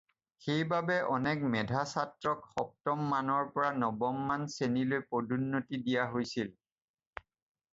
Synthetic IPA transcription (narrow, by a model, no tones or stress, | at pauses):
xejbabɛʔɔnɛk̚mɛdʱasatɹɔkxɔp̚tɔmːanɔɹpɔɹanɔbɔmːansenilojpodʱunːotidijaɦojsil